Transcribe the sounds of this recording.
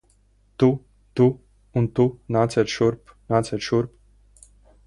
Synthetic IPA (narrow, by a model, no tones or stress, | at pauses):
t̪u | t̪u | unt̪unat͡seɾʃuɾpnat͡seɾʃuɾp̚